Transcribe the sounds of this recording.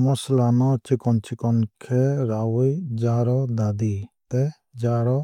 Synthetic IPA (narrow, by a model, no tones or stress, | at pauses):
mɔslanɔt͡ʃikɔnt͡ʃikɔnkʰɛɾawɔjd͡ʒaɾɔd̪ad̪it̪ɛ | d͡ʒaɾɔ